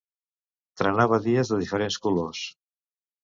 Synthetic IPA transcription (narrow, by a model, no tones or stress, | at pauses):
t̪ɾənaβəðiəzðəðifəɾenskulos